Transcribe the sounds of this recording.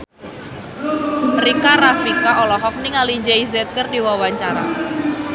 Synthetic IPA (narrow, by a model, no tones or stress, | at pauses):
rikaɾafikaɔlɔɦɔk̚niŋalid͡ʒɛizɛt̪̚kərdiwawaɲt͡ʃaɾa̰